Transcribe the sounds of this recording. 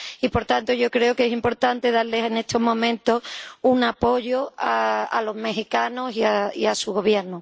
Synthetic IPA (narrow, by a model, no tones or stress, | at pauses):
ipo̞ɾt̪ant̪oʝo̞kɾe̞okesimpo̞ɾt̪ant̪e̞ðaɾle̞sene̞t̪o̞ɦmõ̞mẽnt̪osuŋapo̞ʝoaa̰lo̞ɦme̞ɦikanosiaiasuɣ̞o̞βje̞ɾno